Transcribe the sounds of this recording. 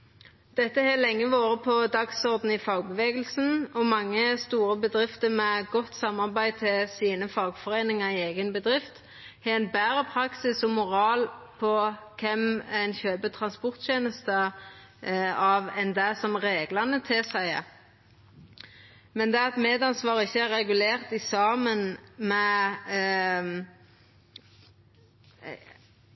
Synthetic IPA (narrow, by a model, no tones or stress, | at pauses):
d̪̥ɛt̪ːəhɛlɛŋːəʋoːʁəpʰɔd̪ɑksɔʁd̪n̩ɪfɑːɡ̚bəʋeːɡəlsn̩ɔmɑŋːəst̪uːɾəbəd̪ʁɪft̪əmɛɡɔt̪sɑmːɑʁbæɪt̪ʰɪlsiːnəfɑːɡfɔʁeːnɪŋɑʁɪeːɡənbəd̪ʁɪft̪ | hɛɛnbæːʁəpʰɾɑksɪsɔmʊʁɑːlpʰɔkʰɛmɛɪnçøːbət̪ʰʁɑnspɔʁt̪çeːnəst̪ə | ɑʋɛnd̪æsɔmʁeːɡlɑnət̪ʰɪsæɪ | mɛnd̪ɛɑt̪meːd̪ɑnsʋɑːʁəɪçːəæʁʁɛɡʉleːʁt̪ɪsɑːmənmɛ